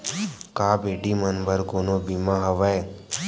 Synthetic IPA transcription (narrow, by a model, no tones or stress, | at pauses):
kaːbeːɖiːmənbəɾkonoːbimãːɦəʋae